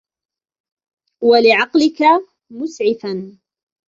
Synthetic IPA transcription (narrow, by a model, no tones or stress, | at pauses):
walɪʕɑqlɪka | mʊsʕɪfan